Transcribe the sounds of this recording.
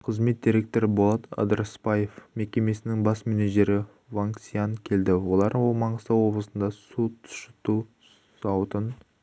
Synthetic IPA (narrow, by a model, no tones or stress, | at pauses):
qʰəzme̞t̪̚d̪ʲiɾʲe̞k̚t̪o̞ɾɪbolˠɑt̪ɑ̰d̪əɾspɑje̞fme̞kʲe̞me̞sɪnɪŋbɑsmɪniʒe̞ɾɪ | vaŋksijankʲʰe̞ld̪ɪwo̞lˠɑɾwo̞lˠmɑɴəsəwo̞blˠəsənd̪ɑsut̪ʰʊ̥ʃə̥t̪u | sɑwt̪ən